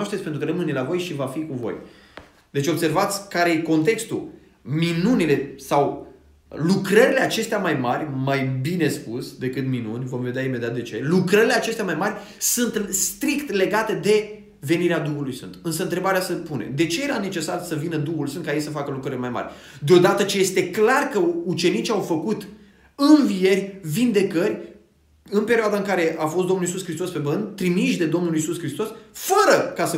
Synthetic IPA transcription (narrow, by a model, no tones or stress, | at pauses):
aʃt̪et̪spent̪ɾukəɾəmɨnlavo̞jʃivafikuvo̞̰j | d̪e̞t͡ʃo̞bse̞rvat̪sʲkaɾejko̞nt̪e̞kst̪u | minunile̞saw | lukɾəɾile̞at͡ʃe̞st̪eamajmarʲmajbine̞spusʲd̪e̞kɨt̪minunʲvo̞mve̞d̪eaime̞d̪eat̪d̪e̞t͡ʃe̞lukɾəɾileat͡ʃe̞st̪eamajmarʲ | sɨnt̪st̪ɾikt̪le̞ɡat̪e̞d̪e̞ | ve̞niɾead̪uɦulujsfɨ̰nt̪ɨns̬əɨnt̪ɾe̞baɾeasəpunḛmd̪e̞t͡ʃe̞je̞ɾane̞t͡ʃe̞sarsəvinəd̪uhulsɨnt̪kajesəfakəlukɾəɾilmajma̰rʲd̪eo̞d̪at̪ət͡ʃejest̪e̞klarkəut͡ʃe̞nit͡ʃʲawfəkut̪ | ɨnvije̞rʲvind̪e̞kərʲ | ɨnpe̞ɾioad̪aɨŋkaɾe̞ʔafost̪d̪o̞mnulisuskɾist̪o̞spe̞bənd̪ʲt̪ɾimiʃd̪e̞d̪o̞mnulisuskɾist̪o̞sfəɾəkasə